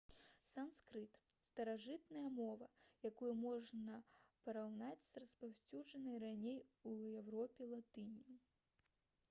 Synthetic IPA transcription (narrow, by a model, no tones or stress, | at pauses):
samskɾɨt̪st̪ɐɾaʐɨt̪nɐjɐmɔvɐjakujumɔʐnɐpɐɾawnat͡sʲzrɐspawsʲt͡sʲud͡ʐɐnɐjranʲejujɛwɾɔpʲɛlˠat̪ɨnʲiji